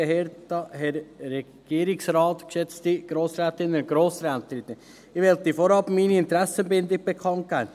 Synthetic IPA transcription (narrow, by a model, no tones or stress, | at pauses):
əheːɾtɑɦɛɾːɛ | ɡ̥iːɾɪksɾɑːtkʃɛt͡std̥iɡ̥ɾoːsɾɛːtɪnːənʊɡ̥ɾoːsɾɛːt̪ɪt̪ən | ɪʋɛltifoɾɑpmiːniɪnt̪ɾɛsənbɪnd̪ɪk̚b̥ekʰɑnt̚ɡ̥æɪn